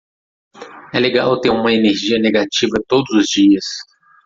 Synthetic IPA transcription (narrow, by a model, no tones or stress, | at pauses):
ɛleɡawt̪eɾũmɐeneɾʒiɐneɡat͡ʃivɐt̪od̪ʊzʊzd͡ʒiɐs